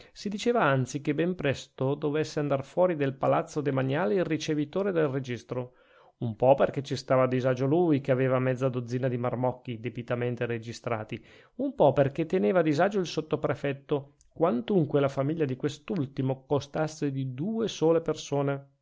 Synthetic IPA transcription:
sid̪it͡ʃeːvaant̪sikebːɛmpɾɛst̪od̪ovesːeand̪arfwɔːɾid̪elpalat̪sːod̪emaɲaːleirit͡ʃevit̪oːɾed̪elred͡ʒist̪ɾo | umpɔperket͡ʃːist̪aːvad̪izad͡ʒolujkeaveːvamɛd̪zːad̪od̪zːiːnad̪imarmɔkːid̪ebit̪ament̪eɾed͡ʒist̪ɾa̰ːt̪i | umpɔperket̪ːeneːvad̪izad͡ʒoilsot̪ːopɾefɛt̪ːo | kwant̪uŋkwelafamiʎːad̪ikwest̪ult̪imokost̪asːed̪id̪uːesoːlepersoːne

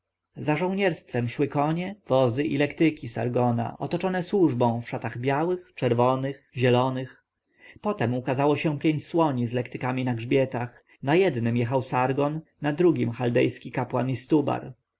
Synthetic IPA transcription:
zaʐɔ̃w̃ɲɛɾst̪fɛmʂwɘkɔɲɛv̥ɔzɘʔilɛkt̪ɘkʲisa̰ɾɡɔna̰ʔɔt̪ɔt͡ʂɔnɛswuʐbɔ̃w̃fʂat̪aɣbʲjawɘxt͡ʂɛɾvɔnɘxʑɛlɔnɘx | pɔt̪ɛmukazawɔɕɛ̃pʲjeɲt͡ɕswɔɲizlɛkt̪ɘ̥kamʲinaɡʐbʲjɛt̪ax | najɛd̪nɘmjɛxawsaɾɡɔnːad̪ɾuɡʲimxald̪ɛjskʲikapwa̰nist̪uba̰ɾ

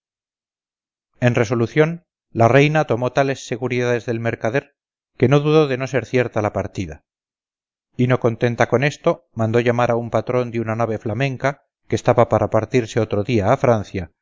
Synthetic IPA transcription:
e̞nre̞so̞luθjo̞n | lare̞jnat̪o̞mo̞t̪ale̞sːe̞ɣuɾiðaðe̞zðe̞lme̞ɾkaðe̞ɾ | ke̞no̞ðuðo̞ðe̞no̞se̞ɾθje̞ɾt̪alapaɾt̪iða̰ | ino̞kont̪e̞nt̪ako̞ne̞st̪o̞ | mãnd̪o̞ʝamaɾʔaumpat̪ɾo̞nd̪eunanaβ̞e̞flamẽ̞ŋka | kest̪aβapaɾapaɾt̪iɾseo̞t̪ɾo̞ðiaːfɾanθja

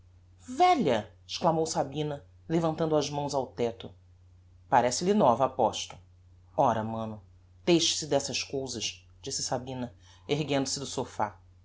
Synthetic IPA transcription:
vɛʎɐ | ɪʃklamowsabĩnɐ | levɐ̃nt̪ɐ̃nd̪ʊɐʒmɐ̃w̃zawt̪ɛt̪ʊ | paɾɛsɪlinɔvɐapɔʃt̪ʊ̥ | ɔɾɐmɐ̃nʊ | d̪̥ejʃi̥sɪd̪ɛsɐʃkowzɐʃ | d͡ʒisɪsabĩnɐ | eɦɡẽnd̪ʊsɪd̪ʊsofa̰

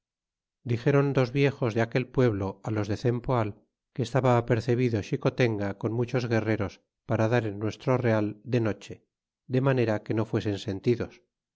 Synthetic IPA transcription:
d̪ixe̞ɾo̞nd̪o̞zβje̞xo̞zðeake̞lpwe̞βlo̞alo̞zðe̞θe̞mpoal | keːst̪aβaːpe̞ɾθe̞β̞iðo̞ʃiko̞t̪e̞ŋɡako̞nmut͡ʃo̞zɣe̞re̞ɾo̞s | paɾaðaɾenːwe̞st̪ɾo̞re̞ald̪e̞no̞t͡ʃe̞ | d̪e̞mane̞ɾake̞no̞fwe̞se̞nse̞nt̪iðo̞s

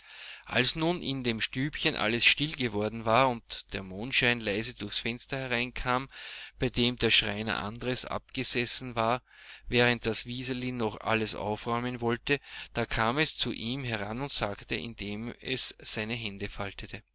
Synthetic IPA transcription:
ʔalsnuːnʔɪ̰ndeːmʃtyːpçənʔa̰ləsʃtɪlɡəvɔɐdn̩vaːɐʊntd̥eːɐmoːntʃæɪnlaɪzədʊɐçsfɛnstɐhɛʁaɪnkʰaːmb̥aɪdeːmdeːɐʃʁaɪnɐ̰ʔa̰ndəʁəsʔa̰p̚ɡ̥əz̥ɛsn̩vaːɐvɛːʁ̞ənt̚d̥asviːzəlinɔχʔa̰ləsʔa̰ʊfʁɔʏmənvɔltəd̥aːkʰaːmɛst͡suʔiːmɦɛʁanʊntz̥aːktə̰ʔɪ̰ndeːmɛ̰sːæɪnəɦɛndəfaltətə

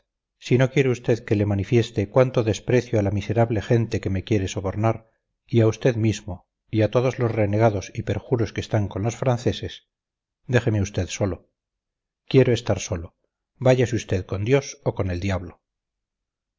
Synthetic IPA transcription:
sino̞kje̞ɾeust̪e̞ðke̞le̞manifje̞st̪ekwant̪o̞ðe̞spɾe̞θjoalamise̞ɾaβlexe̞nt̪e̞ke̞me̞kje̞ɾe̞so̞βo̞ɾnaɾ | iaust̪e̞ðmizmo̞ | iat̪o̞ð̞ozlo̞zreneɣ̞aðo̞sipe̞ɾxuɾo̞skest̪aŋko̞nlo̞sfɾanθe̞se̞s | d̪e̞χe̞me̞ust̪e̞ðso̞lo̞ | kje̞ɾoest̪aɾso̞lo̞ | baʝasust̪e̞ðko̞nd̪jo̞soko̞ne̞ld̪jaβlo̞

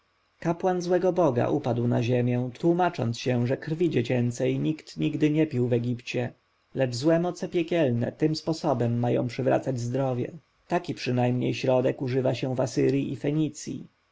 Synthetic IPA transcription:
kapwanzwɛɡɔbɔɡa̰ʔupad̪wna̰ʑemʲjɛ̃t̪wumat͡ʂɔ̰nt̪sɕɛ̃ʐɛkɾvʲid͡ʑet͡ɕɛnt̪sɛjɲikt̪ɲiɡd̪ɘɲɛpʲiwvɛɡʲipt͡ɕɛ | lɛd͡ʐzwɛmɔt̪sɛpʲjɛkʲɛlnɛ̰t̪ɘmspɔsɔbɛmːajɔ̰̃w̃pʂɘvɾa̰t̪sad͡ʑzd̪ɾɔvʲjɛ̰ | t̪akʲipʂɘnajmɲejɕɾɔd̪ɛkuʐɘvaɕɛ̃vasɘɾʲjiʔifɛɲit̪sʲjḭ

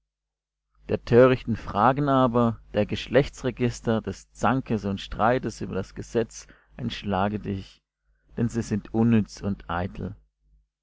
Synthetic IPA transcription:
d̥eːɐtʰøːʁɪçtn̩fʁ̥aːɡən̩aːbɐd̥eːɐɡəʃlɛçt͡sʁeɡɪstɐdɛst͡saŋkəsʊntʃtʁ̥aɪtəsyːbɐdasɡ̥əzɛt͡s | ʔɛntʃlaːɡədɪç | d̥ɛnziːzɪntʰʔʊnːʏt͡sʊntʔa̰ɪtʰl̩

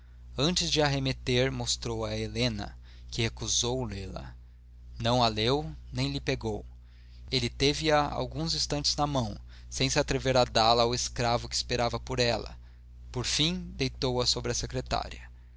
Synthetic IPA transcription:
ɐ̃nt͡ʃɪzd͡ʒɪaɦemet̪eɾmost̪ɾowɐelẽnɐ̰ | kɪhekuzowlelɐ̰ | nɐ̃w̃ɐlewnẽj̃lɪpeɡow | elɪt̪evɪɐa̰wɡũzĩst̪ɐ̃t͡ʃɪznɐmɐ̃w̃ | sẽj̃sɪat̪ɾeveɾad̪alɐːweskɾavʊkɪːspeɾavɐpoɾɛlɐ̰ | poɾfĩd̪ejt̪owɐsobɾɪɐsekɾet̪a̰ɾiɐ

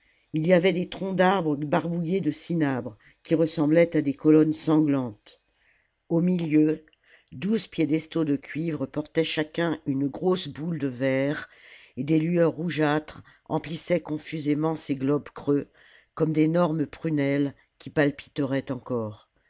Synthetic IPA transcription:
ilijavɛd̪et̪χɔ̃d̪aʁbʁəbaʁbujed̪əsinabʁ | kʲiʁəsɑ̃blɛt̪ad̪ekɔlɔnsɑ̃ɡlɑ̃t̪ | omiljø | d̪uzpjed̪ɛst̪od̪əkʲɥivʁəpɔʁt̪ɛʃakʲɛ̃ynɡʁosbuld̪əvɛʁed̪elyœʁːuʒat̪χ | ɑ̰̃plisɛkɔ̃fyzemɑ̃seɡlɔbkχø | kɔmd̪enɔʁməpχynɛl | kʲipalpi̥t̪əʁɛt̪ɑ̃kɔːʁ

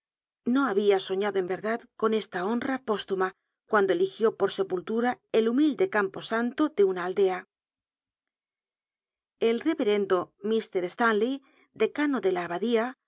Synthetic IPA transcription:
no̞aβ̞iaso̞ɲaðoembe̞ɾðaðko̞ne̞st̪ao̞nrapo̞st̪uma | kwand̪o̞elixjo̞po̞ɾse̞pult̪uɾae̞lumild̪e̞kampo̞sant̪o̞ðe̞unaːld̪e̞a | e̞lre̞βe̞ɾe̞nd̪omist̪e̞ɾest̪anli | d̪e̞kano̞ðe̞laːβaðia

